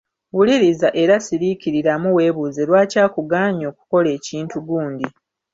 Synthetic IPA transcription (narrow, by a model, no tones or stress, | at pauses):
wuliɾizaʔe̞ɾasiɾiciɾiɾamuwe̞ːβuze̞lwaːcaːkuɡaːɲo̞ːku̥ko̞le̞ːciːntuɡuːndi